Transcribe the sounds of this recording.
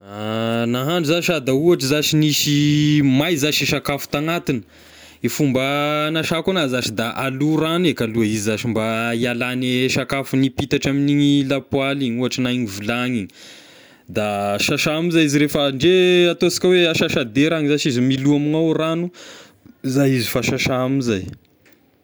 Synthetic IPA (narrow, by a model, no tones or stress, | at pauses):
anaɦaɳɖ͡ʐuzaʃad̪auaʈ͡ʂzaʃiniʃimajzaʃiʃakafu̥t̪aŋat̪inə̥ | ifumbənaʃakonazaʃid̪aʔaluɾanekaluaizizaʃimbaialaneʃakafunipit̪aʈ͡ʂaminiɲilapwaliɲuaʈ͡ʂənaiɲivulaŋiɲi̥ | d̪aʃaʃaamizaiziɾefəɳɖ͡ʐeat̪osi̥kʲaweaʃaʃad̪eɾaŋizat͡ʃizimiluaminawranu | zajizifaʃaʃaamizaj